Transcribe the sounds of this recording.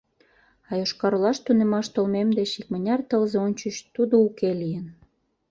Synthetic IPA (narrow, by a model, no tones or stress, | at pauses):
ɑjoʃkɑɾolɑʃt̪unemɑʃt̪olmemd̪et͡ɕik̚mə̆nʲɑrt̪əlzeonʲt͡ɕət͡ɕt̪ud̪oukelijən